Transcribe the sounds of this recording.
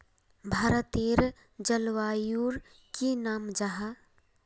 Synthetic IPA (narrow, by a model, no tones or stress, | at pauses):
bʱaːɾət̪eɾ | d͡ʒəlʋaːjuːɾ | kinaːmd͡ʒaɦa